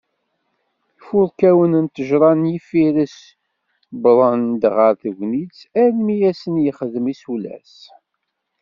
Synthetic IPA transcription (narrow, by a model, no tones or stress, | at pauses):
fʊðˤkæwənənt̪əʒɾˤɑnjifiɾəs | bɾˤənd̪ʁəɾθəɡnit͡sæɾmijæsənjəχəðəmisulæ̰s